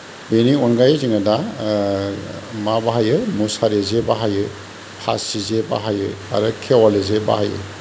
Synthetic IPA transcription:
beniɔnɡajziŋada | mabaɦajɯmusaɾezebaɦajɯ | pʰa̰sizeba̰ɦajɯa̰ɾɯkʰewalɯzeba̰hajɯ̰

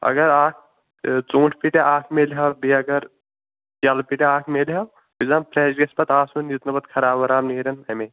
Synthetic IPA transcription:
ɐ̰ɡɐɾaːk̚ʰ | t͡sũːʈʰpiːʈeʔaːkʰmelɦɐbiɐɡɐɾ | kɐlpiʈeaːkʰmelɦɐw | bizampɾeːd͡ʒɡɐspɐt̪aːsunjut̪nɐbɐt̪kʰɐɾaːbɐɾaːmniɾɐnɐme

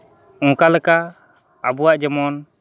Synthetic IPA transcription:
ɔ̃kalɛkaː | buwaʔd͡ʒɛmɔn

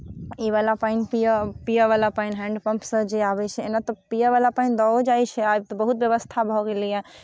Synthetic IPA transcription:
iʋaːlapaːinpiəpijəʋaːlapaːinɦɛ̃ːɳɖpɐ̃mpsəd͡ʒeaːʋet͡ʃʰeɪnat̪ɐpijəʋaːlapãːĩd̪ɔod͡ʒaːit͡ʃʰeaːbt̪ɐbɐɦut̪ʋjɐʋəst̪ʰabʱoɡelia

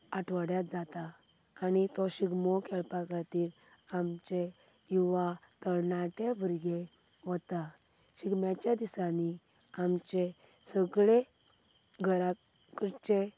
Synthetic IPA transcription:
aʈʋəɽjat̪̚d͡zat̪aː | nit̪ɔɕiɡmɔkʰɛɭpakaɾt̪iːɾ | amt͡ɕe | juʋat̪əɭnaʈ̪ebʱəɾɡe | ʋɔt̪a | ɕiɡmjat͡ɕjad̪isani | amt͡ɕe | səɡɭe | ɡʱəɾa | kɾt͡ɕe

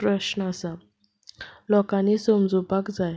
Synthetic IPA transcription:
ɾəɕnasa | lɔkãnisomd͡zupakd͡zaj

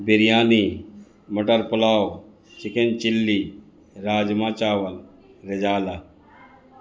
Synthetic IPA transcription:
bɪɾijaːni | mɐʈəɾpʊlaːo | t͡ʃɪkent͡ʃɪlːi | ɾaːd͡ʒmaːt͡ʃaːʋɐl | ɾɪd͡ʒaːla

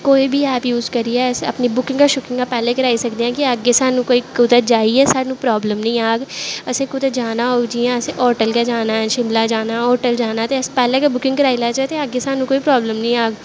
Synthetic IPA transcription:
koːibʱiɛːpjuːzkəɾiɛsɐ̰pnibʊkɪ̃ŋɡkaʃʊkɪ̃ŋkapɛːlekəɾaːisɐkd̪eɦɛ̃ːkiəɡesaːnũkoːikʊd̪əd͡ʒaːiɛsaːɽnũːpɾɔːbləmnɐĩaːɡəsẽkʊd̪ət̪d͡ʒaːnaɦod͡ʒiɛ̃əseʔɔːɾʈəlkad͡ʒaːnaɛ̃ʃɪmlaːd͡ʒaːnaːɔːʈəld͡ʒaːnat̪eəspɛːlekabʊkɪ̃ŋɡkəɾaːilaːt͡ʃat̪eəɡesaːnũkoːipɾɔːbləmnĩaːɡ

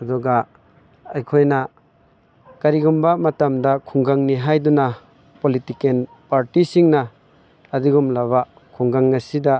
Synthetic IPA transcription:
ɐdɔɡa | ajkʰojna | kaɾiɡumbamɐtamdakʰuŋɡaŋniɦajduna | politiken | paɾtisiŋnaː | diɡumlaβa | kʰuŋɡaŋːasida

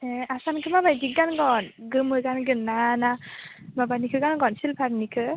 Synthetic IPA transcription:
easankʰɯmabajdik̚ɡanɡɔnɡɯmɯɡanɡɯnːana | mabanikʰɯɡanɡɔnsilpʰaɾnikʰɯ

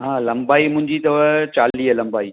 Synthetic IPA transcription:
ɦãːlɐ̃mbaːimʊ̃ɦɪ̃ɲd͡ʑit̪ɐʋət͡ɕaːliːɦəlɐ̃mbaːiː

